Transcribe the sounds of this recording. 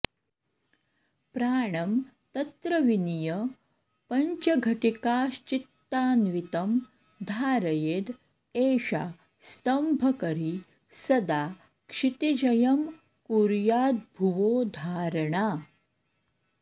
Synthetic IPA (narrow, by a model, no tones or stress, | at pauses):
pɾaːɳ̃ɐmt̪ɐt̪ɾəʋinijə | pɐɲt͡ʃɐɡʱɐʈikaːɕt͡ʃit̪ːaːnʋit̪ɐm | d̪ʱaːɾɐjeːd̪ | eːɕa̰ | st̪ɐmbʱɐkɐɾi | sɐd̪aː | kʂit̪id͡ʑɐjɐm | kuɾjaːd̪̚bʱuʋoːd̪ʱaːɾɳa